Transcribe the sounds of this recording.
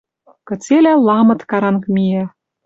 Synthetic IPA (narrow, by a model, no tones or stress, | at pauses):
kɤ̆t͡selælˠɑmɤ̆t̪kɑɾɑnkmijæ